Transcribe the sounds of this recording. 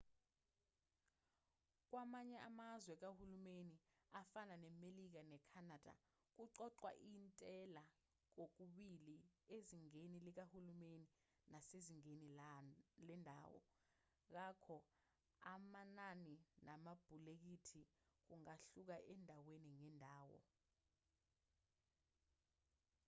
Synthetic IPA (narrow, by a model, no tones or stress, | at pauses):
k̬wamaɲɛamazwɛk̬ahulumeni | afananɛmelik̬anɛkʰanad̥ʱa̰ | k̬uǀɔǀwa̰ʔintʼɛla | k̬ok̬uɓilieziŋenilik̬ahulumeni | naseziŋeni | lɛndʱa̰ːwɔ̰ | k̬akʰɔ | amananinamab̥ʱulek̬itʰi | k̬uŋaɬuk̬aʔɛndʱaweniŋɛndʱaːwɔ̰